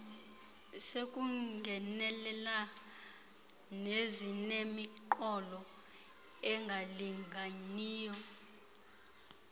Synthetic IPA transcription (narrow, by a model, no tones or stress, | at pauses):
sekʼuŋɡʱɛnɛlɛla | nezinemiǃɔlɔ | ɛŋɡʱaliŋɡʱaniːjɔ